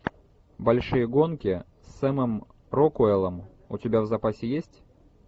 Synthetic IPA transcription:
bɐlʲʂɨjəɡo̞nkʲɪ | sʲːamɨm | ɾokʊɛlˠəm | ʊ̰tʲɪbʲavzɐpasʲɪjesʲtʲ

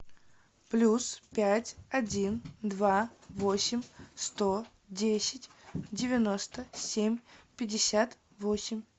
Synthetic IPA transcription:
plʲuspʲætʲɐdʲind̪vavo̞sʲɪmʲst̪o | dʲesʲɪtʲdʲɪvʲɪno̞st̪əsʲemʲpʲɪdʲɪsʲat̪ | vo̞sʲɪmʲ

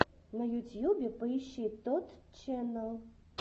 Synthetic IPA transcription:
nɐjut͡sʲjubʲɛpɐiɕit̪ɔt̪t͡ʃɛnɐlˠ

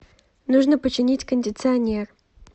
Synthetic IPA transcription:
nuʐnəpət͡ɕːɪnʲitʲkənʲdʲɪt̪sɨɐnʲer

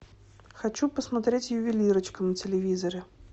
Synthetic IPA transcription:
xat͡ɕupəsmat̪ɾʲet͡sʲjʊvʲilʲiɾət͡ɕkəmnɐt͡sʲɪlʲɪvʲizɐɾɛ

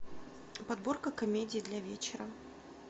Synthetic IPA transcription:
pɐd̪borkəkɐmʲedʲɪːd̪lʲavʲet͡ɕɪɾə

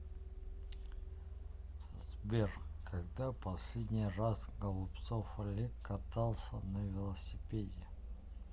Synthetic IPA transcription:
zbʲerχkʰɐɡd̪apɐsʲlʲedʲnʲɪjrasɡəlˠʊpt̪sofɐlʲekːɐt̪alˠsʲənəvʲɪlˠəsʲɪpʲedʲɪ

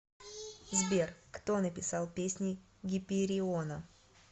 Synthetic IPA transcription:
zbʲerkt̪o̞nəpʲɪsɑlˠpʲesʲnʲɪ | ɡʲɪpʲɪɾʲɪonə

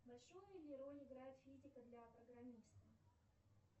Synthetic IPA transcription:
bɐlʲʂojʊɪlʲɪɾolʲɪɡɾajɪt̪fʲizʲɪkəd̪lʲɐpɾəɡɾɐmʲist̪ə

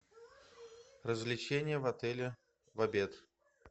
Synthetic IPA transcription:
rəzvlʲɪt͡ɕenʲɪjəvɐt̪ɛlʲɪ | vɐbʲet̪

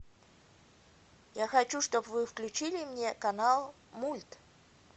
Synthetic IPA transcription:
jaxɐt͡ɕuʂt̪opvɨfklʲʉt͡ɕilʲɪmnʲekɐnalˠ | mulʲt̪

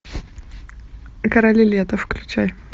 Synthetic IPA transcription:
kɐɾɐlʲɪlʲet̪əfklʲʉt͡ɕaj

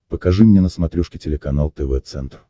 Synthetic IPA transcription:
pəkɐʐɨmnʲenəsmɐt̪ɾʲuʂkʲɪtʲɪlʲɪkɐnalˠt̪ɛvɛt̪sɛ̰nt̪r

